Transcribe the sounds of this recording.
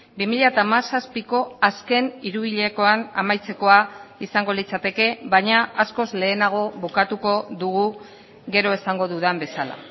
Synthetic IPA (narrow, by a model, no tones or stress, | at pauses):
bimiʎat̪amasaspiko̞aske̞niɾuβiʎe̞ko̞ana̰majt͡se̞ko̞aisaŋɡo̞lit͡sat̪e̞ke̞βaɲaasko̞zle̞ːnaɣ̞o̞βukat̪uko̞ðuɣ̞u | ɣe̞ɾo̞e̞saŋɡo̞ðuðambe̞sala̰